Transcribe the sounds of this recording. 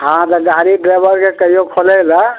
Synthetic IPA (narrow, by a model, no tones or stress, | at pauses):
ɦãt̪əɡaɾiɖɾebəɾkekəijokʰolɛlə